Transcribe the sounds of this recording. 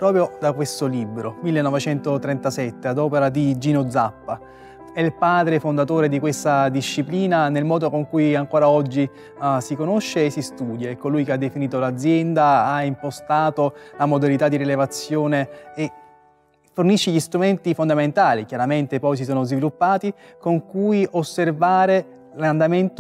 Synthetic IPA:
pɾɔːpɾjod̪akwest̪olibɾomilːenːɔvet͡ʃɛnt̪ot̪ɾɛnt̪asɛt̪ːead̪ɔːpeɾad̪id͡ʒinod̪zapːa | ɛlpaːd̪ɾefond̪at̪oːɾed̪ikwest̪ad̪iʃːipliːnanelmɔːd̪okoŋkujaŋkoːɾaɔd͡ʒːi | sikonoʃːeːsist̪uːd̪jaɛkːolujkead̪ːefiniːt̪olad̪zjɛnd̪aaimpost̪aːt̪olamod̪alit̪ad̪iɾilevat̪sːjoːneː | forniʃːeʎist̪ɾument̪ifond̪ament̪aːlikjaɾament̪epɔjs̬is̬oːnozvilupːaːt̪ikoŋkujosːervaːɾe | land̪ament̪

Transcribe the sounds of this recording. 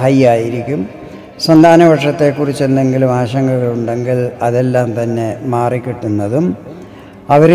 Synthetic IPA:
hɐjaːjiɾikʲːum | swɐnd̪ʱaːnɐʋɐʈʂɐt̪ːe̞kːurit͡ɕːend̪e̞ŋɡilumaːɕɐŋːɐɣiɭuɳɖe̞ŋɡiɭɐðe̞lːaːmt̪ɐnːe̞maːrikʲːiʈːunːɐðum | ɐʋɐɾ

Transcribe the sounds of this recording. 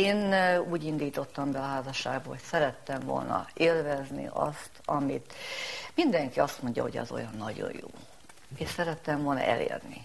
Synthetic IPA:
eːnuːɟind̪iːt̪o̞t̪ːɒmbɛɒɦaːzɒʃːa̰ːɡbɒho̞csɛɾɛt̪ːɛɱvo̞̰lnɒeːlvɛznḭɒst̪ʰɒmit̪mind̪ɛŋkiɒst̪mo̞ɲɟɒ̰ɦo̞̰ɟɒ̰zo̞jɒnːɒɟo̞̰jjoː | eːʃsɛɾɛt̪ːɛmvo̞lnɒ̰ʔɛ̰lḛːrni

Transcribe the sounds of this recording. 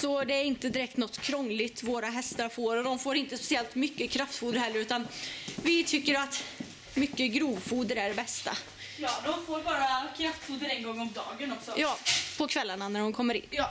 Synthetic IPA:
sɔd̪ɛæɾɪnt̪əd̪ɪɾɛk̚t̪nɔt̪ːkʰɾɔŋːlɪt̪voːɾaɦɛst̪aɾfoːɾɔd̪ɔmfoːɾɪnt̪əspɛ̥sɪɛlt̪mʏkːəkʰɾaft̪fuːd̪əɾhɛlːəɾʉ̟ːt̪anvɪt̪ʰʏkːəɾat̪ | mʏkːəɡɾuːvfuːd̪əɾæɖɛbɛst̪a̰ | jɑːd̪ɔmfoːɾbɑːɾakʰɾaft̪fuːd̪əɾɛŋɡɔŋːɔmd̪ɑːɡənɔksɔjɑːpʰɔkʰvɛlːaɳanæɾhʊnkʰɔmːəɾɪ̰nː

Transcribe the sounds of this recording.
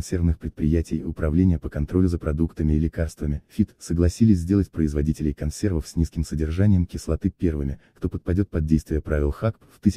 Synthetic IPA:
nsʲervnɨxpɾʲɪt̪̚pɾʲɪjætʲɪjʊpɾɐvlʲenʲɪjəpəkɐnt̪ɾo̞lʲʊzəpɾɐd̪ukt̪əmʲɪɪlʲɪkarst̪vəmʲɪfʲit̪səɡlˠɐsʲilʲɪsʲzʲdʲe̞lˠətʲpɾəɪzvɐdʲitʲɪlʲɪjkɐnsʲe̞rvəfsʲnʲiskʲɪmsədʲɪrʐanʲɪjəmkʲɪslˠɐt̪ɨpʲervɨmʲɪkt̪o̞pət̪̚pɐdʲo̞t̪̚pɐd̪̚dʲejst̪vɪjəpɾavʲɪlˠxakpft̪ɨsʲ

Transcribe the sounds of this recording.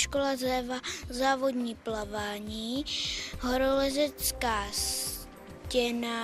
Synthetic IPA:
ʃkolazɛvazaːvo̞dɲiːplavaːɲiːɦoɾolɛzɛt͡skaːs | cɛna

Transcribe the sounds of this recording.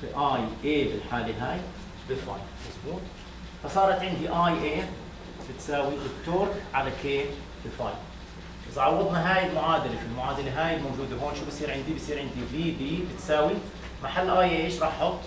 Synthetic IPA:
fiʔaːjʔeːbɪlħaːliɦaːj | bɪfɑ̰ːjlmɑsˤbuːt̪̚ˤ | fɑsˤɑːɾˤɑt̪ʕɪnd̪iʔaːjʔeː | b̥ɪt̪saːwiʔɪt̪ːoːɾkʕalakeː | bɪfɑ̰ːjl | ɑsʕɑwːɑd̪ˤnɑɦaːjɪlmʊʕaːd̪alefilmʊʕaːd̪aleɦaːjɪlmawd͡ʒuːd̪aɦoːnʃuːbɪsˤiːɾʕɪnd̪ibɪsˤiːɾʕɪnd̪ibiːbiːbɪt̪saːwi | maħalːʔaːjʔeːʃɾˤɑːħħʊt̪ˤː

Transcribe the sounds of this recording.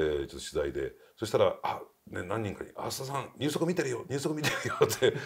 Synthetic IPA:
et͡ɕot̪ːoɕizaid̪e̞̰ | so̞ɕ̬i̥t̪aɾaanenãɲ̟ːĩŋkaɲ̟iʔa̰sɨ̥t̪as̬ãŋɲʲɨːso̞kɯmʲit̪eɾɯjoɲ̟ʲɨ̟ːsokɯ̟mʲit̪eɾɯjot̪e

